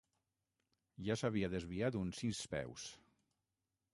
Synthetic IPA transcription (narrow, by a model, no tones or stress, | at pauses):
ʒasaβiaðezβiat̪unsispɛ̰ws